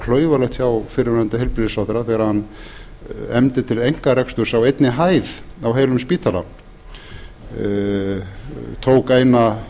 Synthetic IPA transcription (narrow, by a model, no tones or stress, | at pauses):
kʰlœːɥvalɛxt̪çjawfɪɾɪant̪ɪhɛlpɾɪsaðɾaθɛːɣɾahanː | ɛmt̪ɪt̪ʰɪlejŋ̥kaɾɛkst̪ʏsawejt̪nɪɦaːjðawɦeːjlʏmspiːt̪ʰala̰ | t̪ʰoːwkeːjna